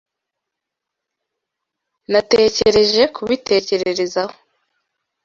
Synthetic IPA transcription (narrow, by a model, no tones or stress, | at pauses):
nate̞ceɾe̞ʒe̞kʰuβitʰe̞ce̞ɾe̞ɾe̞zaho